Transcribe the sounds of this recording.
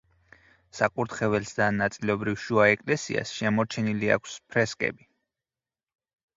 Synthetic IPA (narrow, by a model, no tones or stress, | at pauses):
sakʼuɾt̪χɛvɛlsd̪anːat̪sʼilɔbɾifʃuaɛkʼlɛsḭa̰sʃɛmɔɾt͡ʃʰɛnilia̰kʰspʰɾɛskʼɛ̰bi